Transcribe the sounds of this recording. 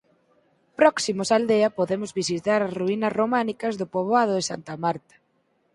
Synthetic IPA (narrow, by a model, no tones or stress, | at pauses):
pɾɔksimʊsald̪eɐpoðemʊzβisit̪aɾɐsruinɐsromanikɐzðʊpoβ̞oað̞ʊðɪsa̰nt̪ɐmaɾt̪ɐ̥